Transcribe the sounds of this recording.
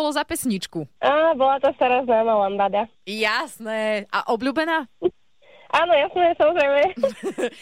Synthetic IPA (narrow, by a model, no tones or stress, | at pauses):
lɔzapɛsɲit͡ʃkuʔaːbɔlat̪ast̪aɾaːznaːmalambad̪a | jasnɛːʔa̰ʔɔbʎuːbɛnaː | ʔaːnɔjasnɛːsamɔzɾɛjmɛ